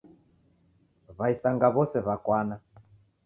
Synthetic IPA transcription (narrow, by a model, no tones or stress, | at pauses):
βaisaŋɡaβɔsɛβakwana